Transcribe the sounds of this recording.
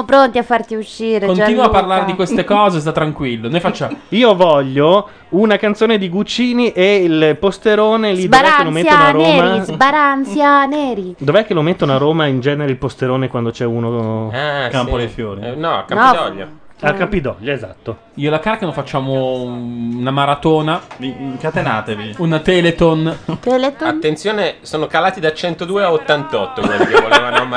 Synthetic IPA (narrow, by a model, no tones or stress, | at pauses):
pɾont̪iafːart̪iuʃːiːɾekoniːnwapːarlaːɾed̪ikwest̪ekɔːzes̬t̪at̪ːɾaŋkwilːonejfat͡ʃːaiːovɔʎːo | unakant̪soːned̪iɡut͡ʃiːniʔeilpost̪eɾoːnelidbovɛakːelomet̪ːonaroːmaizbaɾant̪sjaneːɾid̪ovɛkːelomet̪ːonaɾoːmaind͡ʒɛːneɾeilpost̪eɾoːnekwand̪ot͡ʃɛuːnoɛkampod̪ejfjoːɾinɔa̰kːapid̪ɔʎːa̰ | akːapːid̪ɔʎːaeza̰t̪ːo | iːolakaːɾkanofat͡ʃːaːmo | unamaɾat̪oːnavikat̪enaːt̪eviunt̪ɛːlet̪ont̪ɛlet̪ant̪ːent̪sjoːnesoːnokalaːt̪id̪at͡ʃɛnt̪od̪uːeaot̪ːant̪ɔt̪ːokoioleanom